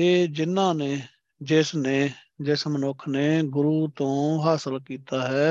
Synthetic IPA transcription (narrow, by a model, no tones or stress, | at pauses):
eːd͡ʒɪnːãːneː | d͡ʒɪːsneː | d͡ʒɪsmənʊkʰneːɡʊɾuːt̪õːɦaːsəlkiːt̪aːɦɛː